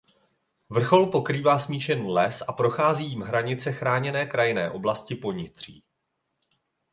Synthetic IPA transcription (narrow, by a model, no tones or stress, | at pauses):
vr̩xo̞lpo̞kɾiːvaːsmiːʃɛnulɛsʔapɾo̞xaːziːjimɦɾaɲɪt͡sɛxɾaːɲɛnɛːkɾajɪnɛ̰ːʔo̞blascɪpo̞ɲɪt̪r̝̥ḭː